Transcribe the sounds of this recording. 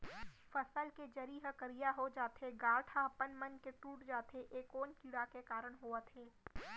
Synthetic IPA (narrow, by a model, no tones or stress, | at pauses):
fəsəlked͡ʒɐɾiːɦəkəɾijaɦod͡ʒaːt̪eɡaːʈʰapənmənkeʈuːʈd͡ʒaːt̪eʔeːkoːnkiːɽakekaːɾəɽ̃ɦoːət̪ʰẽː